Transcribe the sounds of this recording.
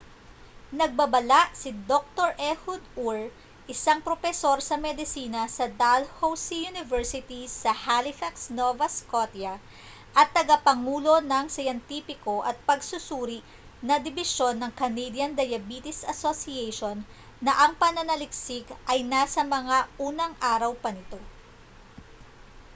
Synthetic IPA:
nɐɡ̚bɐbɐlaʔsɪd̪ok̚t̪oɹʔɛhʊd̪uɹ | ʔɪsaŋpɾofɛso̞ɾsɐmɛd̪ɪsiːnɐsɐd̪alhowsijunɪvɛɹsɪt̪isɐhalɪfaksnovɐskot̪jɐ | ʔɐt̪ːɐɡapɐŋuːlo̞nɐŋsɐjɐnt̪iːpɪko̞ʔɐt̪̚pɐɡsʊsuːɾɪʔ | nɐd̪ɪbɪʃo̞nːɐŋkɐnejd̪jɐnd̪ɐjɐbit̪ɪsɐsosiɛjʃonː | ɐʔɐŋpɐnɐnɐlɪk̚sɪkʔɐjnasɐmɐŋaʔuːnɐŋʔaːɾɐwpɐnɪt̪o̞

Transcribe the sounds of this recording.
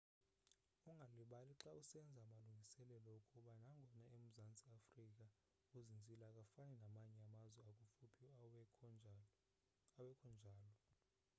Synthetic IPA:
uŋɡʱaliɓaliǁausɛnd͡zʱaːmaluŋɡʱisɛlɛlɔukʼuɓanaŋɡʱɔnaem̩zant͡sʼiafrik̬ʼa | uzind͡zʱilakʼafanɛnamaɲɛamazwɛakʼufupʰi | awɛkʰɔnd͡ʒʱaːlɔ

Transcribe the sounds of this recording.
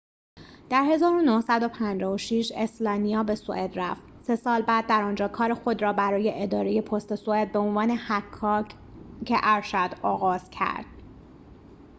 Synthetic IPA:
d̪̥æɾhe̞zɒːɾonohsæd̪o̞pʰænd͡ʒɒːvoʃiʃe̞slɒːnijɒːbe̞soʔed̪ɾæft̪se̞sɒːlbæːd̪ːæɾɒːnd͡ʒɒːkʰɒːɾexo̞d̪ɾɒːbæɾɒːje̞ʔed̪ɒːɾe̞je̞pʰost̪e̞soed̪̚be̞onvɒːne̞hækʰːɒː | cʰeʔæɾʃæd̪̥ɒːɣɒːz̥cʰæ̰ɾd̪̥

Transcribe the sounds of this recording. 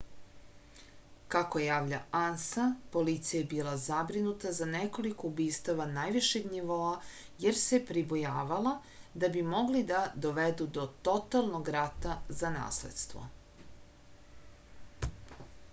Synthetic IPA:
kako̞jaːʋʎa̰ansapo̞lit̪sijaebiːlˠazabɾinut̪azaneko̞liko̞ubiːst̪aʋanajʋiʃeɡniʋoːaje̞ɾse̞pɾibojaːʋala | d̪abimo̞ɡlid̪ad̪o̞ʋed̪ud̪o̞t̪o̞t̪alˠnoɡɾat̪azana̰ːslḛd̪st̪vʋo̞̰

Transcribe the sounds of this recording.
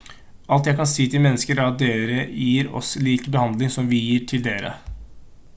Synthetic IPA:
ɑlt̪jæɪkʰɑnsiːt̪ʰɪlmɛnːəskəɾæɾɑt̪̚d̪eːɾəjiːɾɔ̰sliːkbəhɑnd̪lɪŋsɔmʋɪjiːʈʰɪld̪eːɾə̰

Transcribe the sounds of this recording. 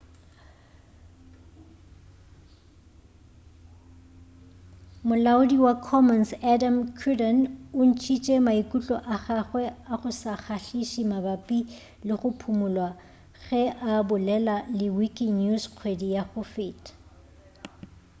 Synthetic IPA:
mʊlaʊdiwakʰɔmɔnsɛdamkʰudɔnʊn̩t͡ʃʰit͡ʃʼɛmaikʼut͡ɬʼɔʔaχaχwɛaχʊsaχʰaɬiʃimabapʼi | lɪχʊpʰumʊlwa | ɣɛʔabʊlɛlalɪwikʼinusq͡χʰwedijaχʊfɪːtʼ

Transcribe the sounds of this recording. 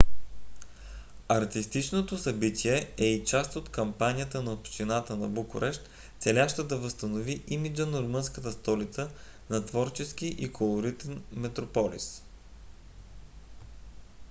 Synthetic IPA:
ɐɾt̪ist̪it͡ʃnot̪osɐbit̪ʲʰiɛɛit͡ʃast̪ot̪kɐmpanʲijət̪ənɐopʃt͡ʃ̪inat̪ənɐ̰bukʊɾʔɛʃt̪ | t̪sɛlʲaʃt̪od̪ɐvəst̪ɐnoviʔimid͡ʒənoɾomɤnskət̪əst̪ɔlit̪sə | nɐt̪vɔɾt͡ʃɛsk̟iʔikʰolˠoɾit̪ɛnmɛt̪ɾopɔlḭs

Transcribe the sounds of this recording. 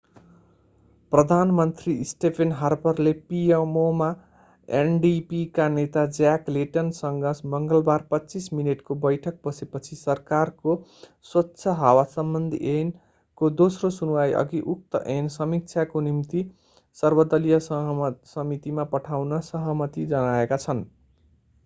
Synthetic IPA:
prʌd̪ʱanmʌnt̪risʈepʰenɦarpʌrlepiemoma | enɖipikanet̪ad͡zakleʈʌnsʌŋɡʌsmʌŋɡʌlbarpʌtːt͡sismineʈkobʌjʈʰʌk̚bʌsepʌt͡sʰisʌrkarkoswʌtːsʰʌɦawasʌmbʌnd̪ʱḭʔen | kod̪osrosunuwajʔʌ̰ɡiʔuk̚t̪ʌʔensʌmik̚t͡sʰakonimt̪i | sʌrbʌd̪ʌlijʌsʌɦsʌmit̪imapʌʈʰawnʌsʌɦʌmʌt̪id͡zʌnaekat͡sʰʌn

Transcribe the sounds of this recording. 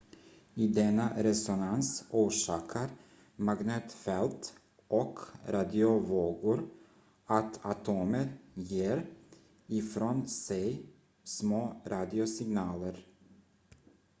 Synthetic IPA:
id̪ɛnːaɾɛsɔnansʔuːʂɑːkʰəɾ | maɡnøːt̪fɛlt̪ | ʔɔkɾad̪ɪʊvoːɡʊɾ | at̪ʰat̪ʰoːməɾjeːɾ | ɪfɾoːnsɛj | smoːɾɑːd̪ɪʊsɪɡnɑːləɾ

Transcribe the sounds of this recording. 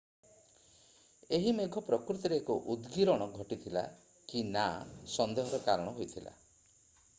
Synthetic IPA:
eɦimeɡʱɔpɾɔkɾut̪iɾeːkuʔud̪ɡiɾɔɽ̃ɔɡʱɔʈit̪ʰila̰ | kinasɔnd̪eɦɔɾɔkaɾɔɽ̃ɔɦojt̪ʰila̰

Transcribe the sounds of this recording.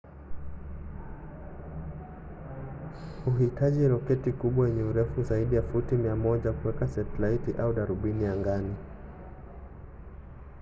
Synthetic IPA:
huɦitaʄiɾɔkɛtikuɓwawɛɲɛuɾɛfuzaiɗijafutimiamɔʄakuwɛkasɛtlaitiʔauɗaɾuɓinijaŋɡani

